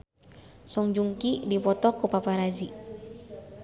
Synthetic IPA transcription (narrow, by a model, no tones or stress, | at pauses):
sɔŋd͡ʒuŋkidipɔt̪ɔkupapaɾazi